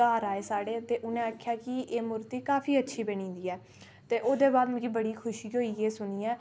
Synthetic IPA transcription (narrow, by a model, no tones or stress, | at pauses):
aːɾaːeːsaːɽeːt̪eːʔʊnẽːaːkʰjaːkɪʔeːmʊɾt̪iːkaːpʰiːətːʃʰiːbenĩːd̪iːɛː | t̪eːʔoːd̪eːbaːd̪mɛ̃ɡiːbəɽiːkʰʊʃiːɦoːiːeːsʊniːɛː